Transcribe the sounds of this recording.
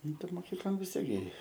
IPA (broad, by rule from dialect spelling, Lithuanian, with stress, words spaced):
ˈnʊ tɐɪ moːˈkʲiːklˠoːn ʋʲɪs ˈtʲiɛk ɡʲɪ